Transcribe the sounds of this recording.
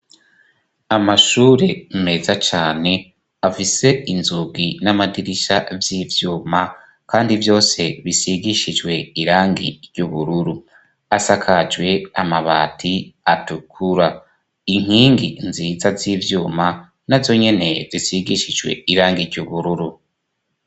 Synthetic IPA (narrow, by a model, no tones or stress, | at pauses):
amaʃuːɾe̞me̞zat͡ʃaːne̞ | afise̞inzuɡinamadiɾiʃavjiːvjuːma | kaːndivjo̞ːse̞βisiɡiʃid͡ʒwe̞iɾaːŋɡḭɾɟuβuɾuɾu | asakʰad͡ʒwe̞amaβa̰ːtʰiatukʰuɾa | iŋ̥iːŋɡinziːzaziːvjuːma | navzo̞ɲe̞ne̞zisiɡiʃid͡ʒwe̞̰iɾaːŋɡiɾɟuβuɾuɾu